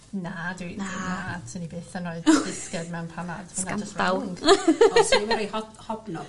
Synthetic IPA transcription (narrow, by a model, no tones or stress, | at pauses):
nadinanatʰənibeːθənoɨðdɪskɛdmɛwnpʰanad̥ssnakantawŋʰsmɾiɔ | hɔblɔ